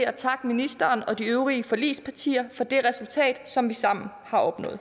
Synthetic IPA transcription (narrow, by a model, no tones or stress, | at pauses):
æt͡sʰɑ̈ɡ̥əminisd̥ɐːnɒ̽d̥iøʊʁiəfɒ̽lḭːspʰɑ̈t͡sʰḭːɐfɒ̽d̥e̝ʁɛsult͡sʰɛ̰ːd̥sɒ̽mʋisɑ̈m̰n̩ | hɑ̈ʔɒ̽b̥nɔ̰̽ːð̩ˠ